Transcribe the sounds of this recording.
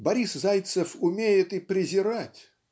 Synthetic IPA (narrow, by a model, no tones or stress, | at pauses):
bɐɾʲiszajt̪səfʊmʲejɪt̪ɨpɾʲɪzʲɪɾatʲ